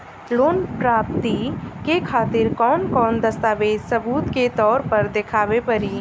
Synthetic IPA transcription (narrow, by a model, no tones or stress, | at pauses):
loːnpɾaːp̚t̪ikekʰaːt̪ɪɾkɔːnkɔːnd̪ɐst̪aːʋeːd͡ʒsɐbuːt̪ket̪ɔːɾpɐɾd̪ɪkʰaːʋepɐɾiː